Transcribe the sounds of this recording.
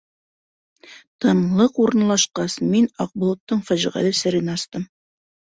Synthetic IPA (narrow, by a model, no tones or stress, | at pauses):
t̪ɤ̆ɴlˠɤquɾɤ̆nlˠɑʃqɑsminɑq̚bŭlˠŏt̪ːɤɴfæʑiʁæ̰lɘsɘ̆ɾinɑst̪ɤm